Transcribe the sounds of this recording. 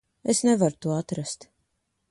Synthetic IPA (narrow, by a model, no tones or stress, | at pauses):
esnɛvaɾut̪uɔat̪ɾast̪